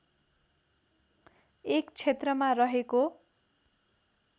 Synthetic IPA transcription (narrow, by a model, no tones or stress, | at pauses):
ekt͡sʰet̪rʌmarʌɦeko